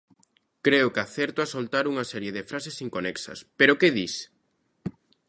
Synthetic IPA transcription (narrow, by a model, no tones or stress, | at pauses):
kɾeʊkaθɛɾt̪oasolt̪aɾuŋɐsɛɾjeðɪfɾasesiŋkonɛksɐ̰speɾʊkeðis